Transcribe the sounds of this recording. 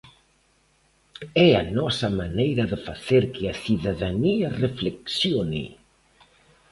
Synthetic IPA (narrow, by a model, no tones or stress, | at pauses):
ɛanɔsɐmanejɾɐðəfaθeɾkɪɐθiðaðaniɐrefleksjonɪ̰